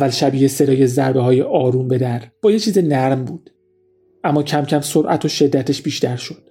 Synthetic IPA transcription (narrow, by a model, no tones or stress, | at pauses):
vælʃæbiːese̞d̪ɒːje̞zæɾbeɦɒːjeʔɒːɾumbe̞d̪æɾb̥ɒːjet͡ʃʰiːzenæɾmbuːd̪̥ | ʔæmːɒːcʰæmcʰæmsoɾʔæ̰t̪ʰoʃe̞d̪ːæt̪ʰe̞ʃb̥iːʃt̪æɾʃo̞d̪̥